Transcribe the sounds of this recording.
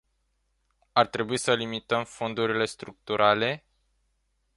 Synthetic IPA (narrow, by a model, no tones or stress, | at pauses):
art̪ɾe̞buisəlimit̪əmfo̞nd̪uɾile̞st̪ɾuk̚t̪uɾʔale̞